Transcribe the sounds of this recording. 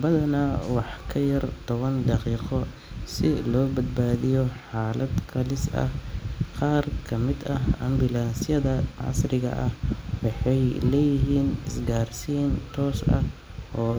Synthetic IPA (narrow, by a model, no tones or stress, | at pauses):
bɐðɐnɐwɑħkʰɐjɐrt̪ʰɔβɐnd̪ɑqiːqɔ | sɪlɔːbɐd̪̚baːðɪjɔħɑːlɐd̪kʰɐlɪsɐ̰hqɑːrkʰɐmɪd̪ɐɦɐ̰mbɪlaːnsjɐðɐʕɑ̰srɪɣɐ̰ʔɐhwɑħɑjlɛːjɪɦiːnɪsɡaːrsiːnt̪ʰɔːsɐ̰ʔɔː